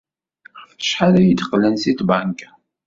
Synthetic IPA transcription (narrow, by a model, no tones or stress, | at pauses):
fə̥ʃħaɾæjəd̪qlænsit̪baŋk